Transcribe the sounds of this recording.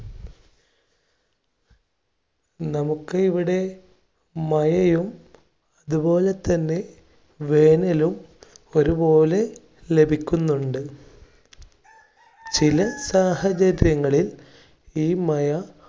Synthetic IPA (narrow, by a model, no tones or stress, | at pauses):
nɐmukːɨiʋiɽe̞ | mɐjɐjum | ɐðubo̞ːle̞t̪ːɐnːe̞ | ʋe̞ːnɐlumo̞ɾubo̞ːle̞ | le̞bʱikʲːunːuɳɖɨ | t͡ɕilɐsaːhɐt͡ɕɐɾjɐŋːɐɭil | iːmɐjɐ